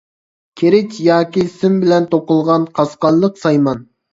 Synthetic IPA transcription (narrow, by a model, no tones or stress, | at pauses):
kʲʰeɾɪt͡ʃjɑːkʲisɪmbɪlɛnt̪oqʊlˠʁɑnqʰɑsqɑnˠlːˠəqsɑjmɑn